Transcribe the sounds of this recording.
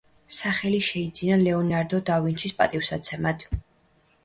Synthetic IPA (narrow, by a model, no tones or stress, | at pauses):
saχɛliʃɛid̪zinalɛɔnaɾd̪ɔd̪avint͡ʃʰispʼa̰t̪ʼifsat̪sʰɛmad̪̥ʰ